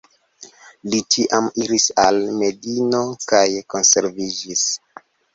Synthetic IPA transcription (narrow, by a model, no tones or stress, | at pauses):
lit͡ʃiʔamiɾisalme̞dino̞kajko̞nse̞ɾvid͡ʒis